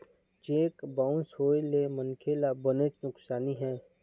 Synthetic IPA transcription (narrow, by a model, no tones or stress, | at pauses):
d͡ʒeːkbãːʊ̃nsɦoːelemənkʰeːlabənet͡ʃnʊksaːniɦɛ̃ː